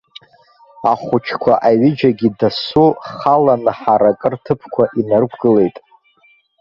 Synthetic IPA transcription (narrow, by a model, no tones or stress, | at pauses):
aχʷʊt͡ʃʰkʷʰaʔaɥɪd͡ʒaɡʲidasuχalanɨħaɾakʼɨrtʰɨpʰkʷʰaʔinarkʷʰɡɨle̞jtʼ